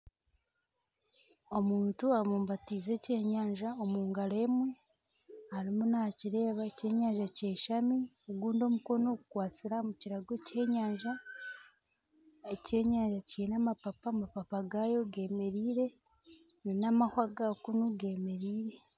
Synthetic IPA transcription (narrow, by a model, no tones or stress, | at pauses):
omuːntuamuːmbatiːze̞ce̞ːɲaːɲʒaomuːŋɡale̞ːmwe̞ | haɾimunaciɾe̞ːβaece̞ːɲaːɲʒaceːʃami | oɡuːndo̞ːmuko̞no̞kukwaːt͡siɾamuciɾaɡe̞ce̞ɲaːɲʒa | e̞ce̞ːɲaːɲʒaciinamapapamapapaɡajo̞ɡe̞ːme̞ɾiːɾe̞ | ninamahwaɡakunuɡe̞ːme̞ɾiːɾe̞